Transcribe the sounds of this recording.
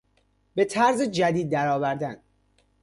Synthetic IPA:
be̞t̪ʰæɾzed͡ʒæd̪iːd̪̚ːæɾɒːvæɾd̪æn

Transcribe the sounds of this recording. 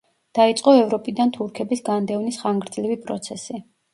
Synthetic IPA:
d̪̥ait̪sʼqʼɔɛvɾɔpʼid̪ant̪ʰuɾkʰɛbisɡand̪ɛvnisχaŋɡɾd̪zlivipʼɾɔ̰t̪sʰɛsi

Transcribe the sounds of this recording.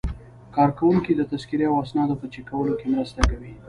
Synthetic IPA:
kɑɾkawuŋkid̪ət̪askiɾeawasnɑd̪opət͡ʃekawəlokemɾəst̪akawi

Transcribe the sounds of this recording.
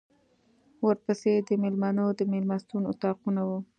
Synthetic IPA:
wəɾpəsed̪əmelmanod̪əmelmɑst̪unʊ̰t̪ɑqunawu

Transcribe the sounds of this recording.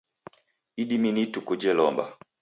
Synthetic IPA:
iɗiminitukud͡ʒɛlɔmba̰

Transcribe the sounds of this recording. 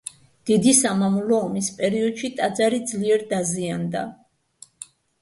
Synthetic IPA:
d̪̥id̪isamamulɔːmispʼɛɾiɔd̪ʃit̪ʼad̪zaɾid̪zliɛɾd̪aziand̪a̰

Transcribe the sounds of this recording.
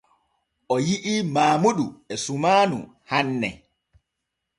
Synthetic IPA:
ʔɔjiʔimaːmuɗuɛsumaːnṵ | hanːɛ̰

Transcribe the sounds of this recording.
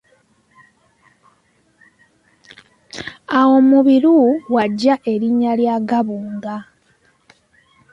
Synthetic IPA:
awo̞muβiɾuwaɟːaʔe̞ɾiɲːaljaːɡaβuːŋɡa

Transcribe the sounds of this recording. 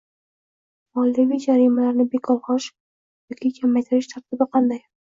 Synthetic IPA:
mɒlˠd̪avʲijd͡ʒaɾimalaɾnɪbekʰɒlˠχɒʃ | jɒkʲʰɪkʲʰamːajt̪ʰɪɾɪʃt̪ʰaɾt̪ʰɪbɪqʰɑnd̪aj

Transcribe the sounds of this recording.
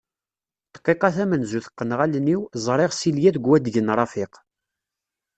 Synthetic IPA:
t̪qːiqɑθæmənzuθə̥qːənʁælniwzˤɾˤɪʁsiljæðɡwæd̪ʝənɾˤɑfɪq

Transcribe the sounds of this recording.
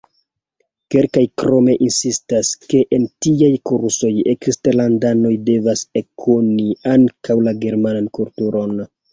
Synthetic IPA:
ke̞lkajkɾo̞me̞ʔinsistaske̞ʔentiajkuɾso̞jeksteɾlandano̞jde̞vasekʰoniaŋkawlaɡe̞ɾmanankultuɾo̞n

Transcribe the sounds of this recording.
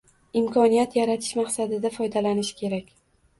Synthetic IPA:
ɪmkʰɒnijat̪jaɾat̪ʰɪ̥ʃmaχsad̪ɪd̪afɒjd̪alanɪʃɪ̥kʲʰe̞ɾakʲ

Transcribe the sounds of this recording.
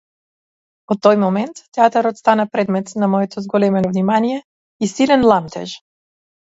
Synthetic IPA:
ot̪ːojmɔmɛnt̪ːɛat̪aɾɔt̪st̪anapɾɛd̪mɛt̪namɔɛt̪ʰɔzɡɔlɛmɛnɔvnimanijɛ | isilɛnlˠamt̪ʰɛʒ

